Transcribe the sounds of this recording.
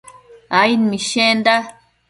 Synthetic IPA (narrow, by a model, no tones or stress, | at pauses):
ainmĩʃend̪a